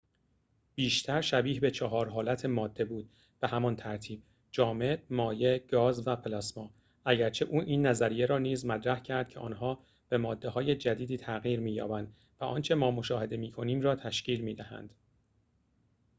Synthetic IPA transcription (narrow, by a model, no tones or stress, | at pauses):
b̥iːʃt̪ʰæɾʃæbiːhbe̞t͡ʃʰɒɦɒːɾɦɒːlæt̪ʰe̞mɒːd̪ːe̞buːd̪̥̚ | b̥e̞hæmɒnt̪ʰæɾt̪ʰiːb̥̚ | d͡ʒɒːme̞bmɒːje̞ɡ̥ɒːzvæpʰelæsmɒː | æɟæɾt͡ʃʰe̞ʔuːʔiːnːæzæɾijeɾɒːniːzmæt̪ɾæhcʰæɾd̪̥̚cʰeʔɒ̰ːnɦɒː | b̥e̞mɒːd̪ːe̞ɦɒːje̞d͡ʒæd̪iːd̪iːt̪ʰæɣiːɾmiːjɒ̰ːbænd̪ | væʔɒ̰ːnt͡ʃʰe̞mɒːmo̞ʃɒːhe̞d̪e̞miːkʰo̞niːmrɒːt̪ʰæʃciːlmiːd̪æhæ̰nd̪̥